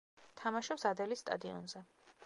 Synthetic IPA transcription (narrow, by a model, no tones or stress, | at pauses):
t̪ʰamaʃɔpsad̪ɛlisːt̪ʼa̰d̪iɔ̰nzɛ